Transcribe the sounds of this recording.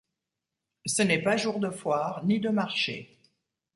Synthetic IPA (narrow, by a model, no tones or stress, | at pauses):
sənɛpaʒuʁd̪əfwaːʁnid̪əmaʁʃḛ